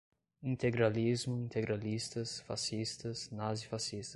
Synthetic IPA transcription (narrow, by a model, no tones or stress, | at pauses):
ĩnt̪eɡɾalizmʊĩnt̪eɡɾalist̪ɐsfa̰sist̪ɐsnazifasist̪ɐ